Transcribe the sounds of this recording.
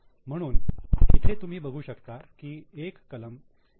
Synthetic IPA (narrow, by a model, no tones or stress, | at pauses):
m̤əɽ̃uːnit̪ʰet̪um̤iːbəɡʱuːɕəkt̪akiːekːələm